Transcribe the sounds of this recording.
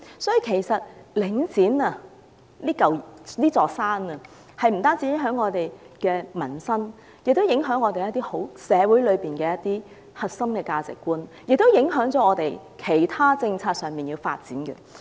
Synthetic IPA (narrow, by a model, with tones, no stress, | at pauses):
sɔː˨˥ji˨˧kʰe˨˩jsɐ˨t̚lɪ˨˥ŋt͡siː˨˥nɐ˧ | liː˥kɐ˨wliː˥t͡sɔː˨k̚saː˥nɐ˨ | hɐ˨jm̩˨˩t̪aː˥nt͡si˨˥ɪ˨˥ŋɦœː˨˥ŋɔː˨˧t̪e˨jkɛː˧mɐ˨˩nsɐ˥n | jɪ˨k̚t̪o˥wjɪ˨˥ŋɦœː˨˥ŋɔː˨˧t̪e˨jɐ˥t̪ːiː˥ho˨˥wsɛː˨˧wuː˨˥jlɵ˨˧ɥpiː˨nkɛː˧jɐ˥t̚t̪iː˥ | hɐ˨t̚sɐ˥mkɛː˧kaː˧t͡sɪ̰˨kːuː˥njk̚t̪o˥wjɪ˨˥ŋɦœː˨˥ŋt͡sɔː˨˥ŋɔː˨˧t̪e˨j | kʰe˨˩jt̪ʰaː˥t͡sɪ˧ŋt͡sʰaː˧t̚sœː˨ŋmiː˨njiː˧wfa̰ː˧t̚t͡siː˨˥nkɐ̰˧